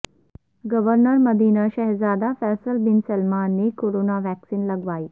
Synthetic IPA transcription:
ɡəʋəɾnəɾməd̪ʱiːnəɕəɦzaːd̪afɛsəlbinsəlmanːikoɾonaʋæksiːnləɡʋai

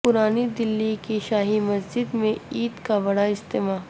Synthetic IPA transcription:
pʊɾaːnid̪ɪlːikiʃaːɦimɐsd͡ʒɪd̪mẽiːd̪kabɐɽaɪst̪eːmaːɦ

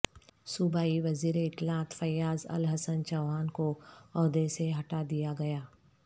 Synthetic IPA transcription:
sʊbaːiʋɐziːɾeɪt̪laːt̪fɐjaːzɐ̰lɦəsənt͡ʃɐʊɦaːnkoɔːd̪eseɦɐʈad̪ijaɡɐjaː

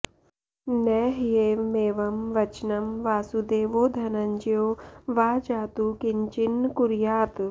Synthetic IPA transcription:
nɛːɦjeːmeːʋɐmʋɐt͡ʃnɐmʋaːsud̪eːʋoːd̪ʱɐnɐɲd͡ʒijoːʋaːd͡ʒaːt̪ukiɲt͡ʃinkuɾjaːt̪

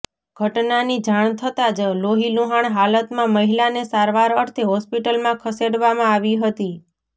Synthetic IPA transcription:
ɡ̥ʱəʈnanid͡ʒaɳ̃t̪ʰət̪ad͡ʒloɦiluɦaɳ̃ɦalət̪mãməɦilanesaɾʋaɾəɾt̪ʰeɦɔspiʈəlmãkʰəseɽʋamãaʋiɦət̪i

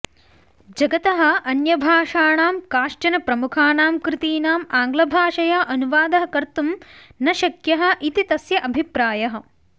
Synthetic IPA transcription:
d͡ʒɐɡɐt̪ɐɦɐ̆ʔɐnjɐbʱaːʂaːɳaːmkaːʂʈɐnɐpɾɐmukʰaːnaːmkɾɪt̪iːnaːmaːŋɡlɐbʱaːʂɐjaːʔɐnuʋaːd̪ɐɦɐ̆kɐɾt̪umnɐʃɐkjɐɦɐ̆ʔit̪it̪ɐsjɐʔɐbʱipɾaːjɐɦɐ̆

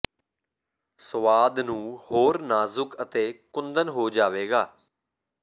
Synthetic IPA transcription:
səʋaːd̪nũːhoːɾnaːzʊkət̪eːkʊnd̪ənɦoːd͡ʒaːʋeːɡaː

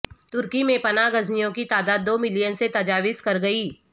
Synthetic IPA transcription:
t̪ʊɾkimẽpɐnaːɡɐznijõkit̪aːd̪aːd̪ːoːmɪlijənset̪ɐd͡ʒaːʋɪskɐɾɡɐiː

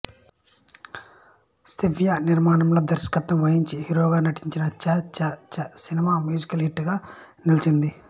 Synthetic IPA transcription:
st̪iʋjɐniɾmaːnɐmloːd̪ɐɾskɐt̪ːɐmʋɐɦiɲt͡ʃihiɾoːɡaːnɐʈiɲt͡ʃinɐt͡ʃɐt͡ʃɐt͡ʃɐsinimaːmjuːd͡ʒikɐlɦiʈːɡaːnilt͡ʃind̪i

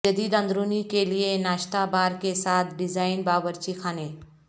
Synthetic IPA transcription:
d͡ʒəd̪id̪ə̃nd̪ɾunikelienaːʃt̪abaːɾkesaːt̪ʰɖɪd͡ʒaːɪnbaːbəɾt͡ʃikʰaːneː

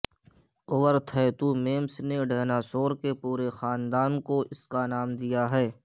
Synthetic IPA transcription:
ʊʋəɾt̪ʰɛːt̪umeːmsneɖɛːnaːsoːɾkepuːɾexaːnd̪aːnkoɪskanaːmd̪ijaɦɛː

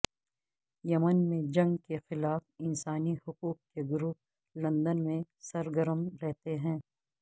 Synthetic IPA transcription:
jɐmənmẽd͡ʒɐ̃ŋɡkexɪlaːfɪnsaːnihʊquːq̚keɡʊɾuː | lɐ̃nd̪ənmẽsɐɾɡəɾəmɾɛɦt̪eɦɛ̃ː

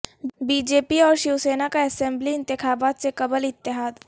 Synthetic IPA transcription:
biːd͡ʒeːpiɔːɾʃiwseːnakaɛsɛ̃mbliɪ̃nt̪ɪxaːbaːt̪sekɐbəlɪt̪ːɪɦaːd̪

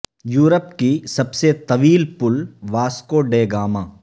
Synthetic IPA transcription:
juːɾəpkisɐbset̪ɐʋiːlpʊlʋaːskoːɖeːɡaːmãː

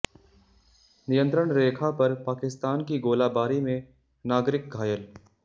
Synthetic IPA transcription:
nɪjə̃nt̪ɾəɽ̃ɾeːkʰapɐɾpaːkɪst̪aːnkiɡoːlaːbaːɾimẽ | naːɡɾɪk̚ɡʱaːjəl

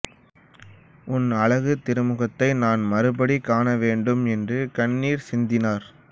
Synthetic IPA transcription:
ʊnɐɭɐɣɯt̪ːɪɾɯmɯɣɐt̪ːɐɪnaːnmɐɾɯbɐɽikːaːnɐʋeːɳɖɯmɛndrɯkɐɳːiːɾsɪnd̪ɪnaːɾ

